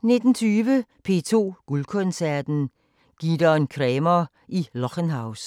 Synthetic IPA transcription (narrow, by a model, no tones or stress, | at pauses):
ne̝d̥n̩t͡sʰyːʋəpʰe̝̰t͡sʰo̝̰ːɡ̥ulkʰɔnsæɐd̥n̩ | ɡ̥id̥ɐnkʰʁɛːmɐ | ʔilɒkənɦɑ̈ʊs